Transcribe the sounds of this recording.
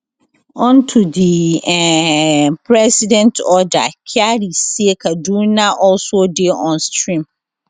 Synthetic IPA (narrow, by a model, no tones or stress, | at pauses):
ɔ̃ntʰudiɛpʰɾɛsidɛ̃ntʰɔda̰kʰaɾisiekʰadũnãʔɔlsodeɔ̃nstʰɹĩm